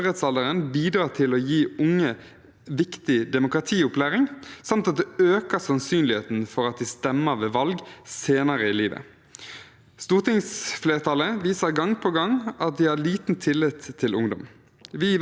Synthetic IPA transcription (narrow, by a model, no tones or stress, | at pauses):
heːt̪sɑld̪əʁənbiːd̪ɾɑːʁt̪ʰɪloːjiːʊŋːə | ʋɪkt̪ɪd̪ɛmʊkʁɑt̪ʰiːʊplæːʁɪŋsɑmt̪ɑt̪̚d̪ɛøːkəsɑnsyːnlɪheːt̪n̩fɔʁɑt̪̚d̪ɛst̪ɛmːəʋeːʋɑlɡseːnɑʁəiliːʋə̰ | st̪uːʁt̪ʰɪŋsfleːʁt̪ʰɑləʋiːsəʁɡɑŋpʰɔɡɑŋʔɑt̪̚d̪iːhɑːliːt̪n̩t̪ʰɪlːɪt̪ʰːɪlʊŋd̪ʊ̰m | ʋi